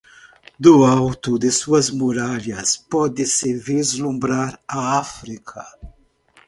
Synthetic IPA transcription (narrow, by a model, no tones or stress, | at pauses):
d̪uawt̪ud̪ɪsuɐzmuɾaljaspɔd̪ɪsɪvizlumbɾaɾaafɾikʰa